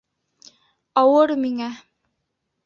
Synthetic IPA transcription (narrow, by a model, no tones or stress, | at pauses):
ɑwɤɾmiŋæ